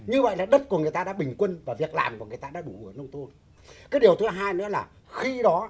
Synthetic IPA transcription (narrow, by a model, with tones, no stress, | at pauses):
ɲɨ˧və̰˧˨jlaː˨˩ɗə˦˥p̚ku˧˩əŋɨ˨˩əjt̪aː˧ɗa̰ː˧˥ɓï˨˩ŋ̟kwə˧nvaː˨˩vi˨˩ək̚la̰ː˨˩mku˨˩ŋɨ˨˩əjt̪aː˧ɗa̰ː˧˥ɗu˧˩ʔɨ̰˨˧˩nə˧wŋ͡mt̪o˧n | kaː˨˦jɗi˨˩əwt̪ʰɨ˨˦ɦaː˧jnɔ̰˧˥laː˨˩ | xi˧ɗɔ˨˦